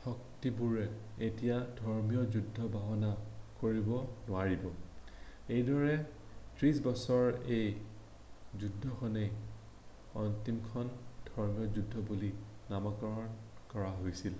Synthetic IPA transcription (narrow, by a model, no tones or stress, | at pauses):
hɔktibuɹɛ | etijadʱɔɹmijɔzudʱːɔbaɦɔnakoɹibɔnʊaɹibɔ | ejdɔɹɛtɹis̬bɔsɔɹej | zudʱːɔxɔne | ɔntimkʰɔndʱɔɹmijɔzudʱːɔbulinamakɔɹɔnkɔɹaɦojsil